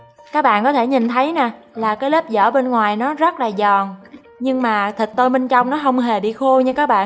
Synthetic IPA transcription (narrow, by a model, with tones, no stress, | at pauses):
kaː˦˥k̚ɓa̰ː˧˨nkɔ˨˦t̪ʰe˧˩ɲi˨˩nt̪ʰə˨˦jnaː˨˩ | laː˨˩kaː˨˦jle˦˥p̚zə̰ː˧˩ɓe˧nŋwaː˨˩jnɔ˨˦zə˦˥t̚laː˨˩zɔ˨˩n | ɲɨ˧ŋmaː˨˩t̪ʰï˨˩k̚t̪o˧jɓe˧nt͡ɕɔ˧wŋ͡mnɔ˨˦ɦə˧wŋ͡mɦe˨˩ɓḭ˧˨xo˧ɲɨ˧kaː˦˥k̚ɓa̰ː˧˨